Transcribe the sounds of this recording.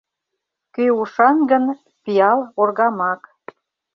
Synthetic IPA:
køuʃɑnɡən | piɑlorɣɑmɑk

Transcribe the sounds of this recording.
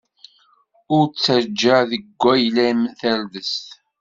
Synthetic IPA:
ʊɾt͡sːəɾd͡ʒːəʕðəɡʷːæjlːæməθælðəst̪

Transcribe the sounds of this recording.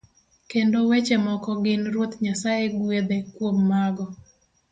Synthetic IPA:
kendowet͡ʃemɔkɔɡɪnɾwot̪ɲasajeɡwed̪ekwomːaɡɔ

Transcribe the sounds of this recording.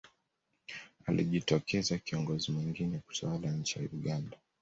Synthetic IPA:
alḭʄitɔkʰɛzakiɔŋɡɔzimwiŋɡinɛku̥ta̰walaɲ̩t͡ʃija̰uɠanda

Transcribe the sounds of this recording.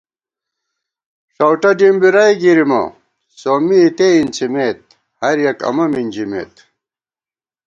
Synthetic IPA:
ʂɐwʈɐdimbiɾajɡiɾimɐ̰ | soːmiːt̪eint͡simeːt̪̚ | hɐɾjɐkɐ̰mɐminʲd͡ʑimḛːt̪

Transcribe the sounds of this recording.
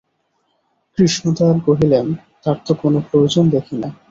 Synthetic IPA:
kɾiʃnot̪alkoɦilem | t̪aɾt̪okonopɾood͡ʑond̪ekʰina

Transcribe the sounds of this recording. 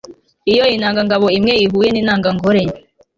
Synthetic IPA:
ijo̞jinaːŋɡaŋɡaβo̞imŋe̞jiɦuːje̞niːnaːŋɡaŋɡoɾeɲe

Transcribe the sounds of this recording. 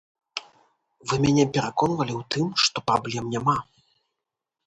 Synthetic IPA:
vɨmʲanʲɛpʲɛɾakɔnvɐlʲiwt̪ɨmʂt̪ɔpɾablʲɛmnʲama

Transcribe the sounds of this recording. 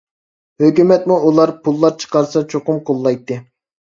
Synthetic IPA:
høkʲymɛt̪muulˠɑɾpʰulˠːɑɾt͡ʃʰə̥qɑɾsɑt͡ʃʰoqʊmqʰolˠːɑjt̪ːɨ

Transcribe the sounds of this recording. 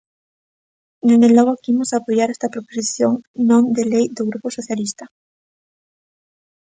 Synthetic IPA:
nenelaɣakimosapoʝaɾest̪apɾopo̥siθjoŋnõnd̪elejðoɣɾuposoθjalist̪a

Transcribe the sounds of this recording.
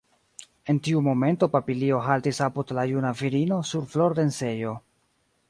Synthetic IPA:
e̞ntiumo̞me̞nto̞papilio̞ɦaltisapudlajunaviɾino̞suɾflo̞ɾde̞nse̞jo̞

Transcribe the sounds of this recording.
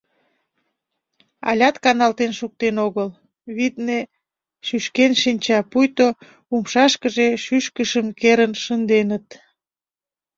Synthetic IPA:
ɑ̰lʲɑt̪kɑnɑlt̪enʃuk̚t̪enoɣəl | βit̪ne | ʃyʃkenʃinʲt͡ɕɑpujt̪o | umʃɑʃkəʒeʃyʃkəʃəmkeɾənʃənd̪enət̪

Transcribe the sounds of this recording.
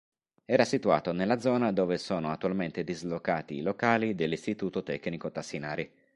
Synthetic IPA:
ɛːɾasit̪ua̰ːt̪onelːad̪zɔːnad̪oːvesoːnoat̪ːualment̪ed̪izlokaːt̪iːlokaːlid̪elːist̪it̪uːt̪ot̪ɛknikot̪asinaːɾi

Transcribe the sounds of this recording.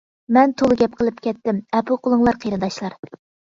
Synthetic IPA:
mɛnt̪ʰolˠɨɡʲɛp̚qʰəlˠɨp̚kʲɛt̪ːɪmɛpʰʊqʰolˠɨŋlˠɑɾqʰeɾɨd̪ɑʃlˠɑɾ

